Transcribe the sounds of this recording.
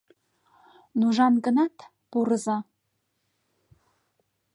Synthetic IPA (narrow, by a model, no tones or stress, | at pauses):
nuʐanɡʼɨnatʰ | b̥urɨza